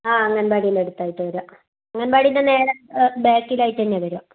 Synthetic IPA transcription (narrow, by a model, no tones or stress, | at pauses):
aːɐŋːɐnbaːɽijuneɽut̪ːaːjiʈːɨʋɐɾua | ɐŋːɐnebaːɽijinːɐne̞ːɾɐbeːkːilaːjiʈ̪ːɐnːeʋɐɾua